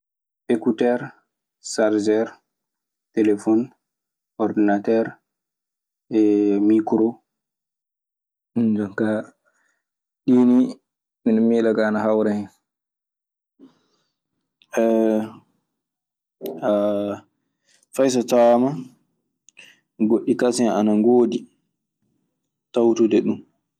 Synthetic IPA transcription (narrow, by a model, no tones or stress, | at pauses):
ʔekutɛɾ | saɾd͡ʒɛɾ | telefɔn | ɔɾdinatɛɾ | ɛmikɾo | nd͡ʒɔŋka | ɗiːni | minɔmilaɡaːnaɦawɾɛhɛn | ɛ | a | fajs̬ɔtama | ɡoɗːikasɛnanaŋɡoːdi | tawtudɛɗum